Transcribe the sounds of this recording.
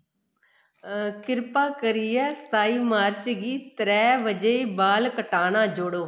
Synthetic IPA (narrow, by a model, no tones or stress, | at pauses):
kɪɾpaːkəɾiːɛːst̪aːiːmaːɾt͡ʃɡiːt̪əɾɛːʋəd͡ʒeiːbaːlkəʈaːnãːd͡ʒoɽoː